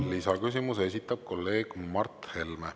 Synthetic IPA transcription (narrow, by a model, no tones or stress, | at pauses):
lisɑkys̬imuse̞sʲit̪ːˑɑb̥̚ko̞lːe̞ːɡ̥mɑrt̪ˑhe̞lme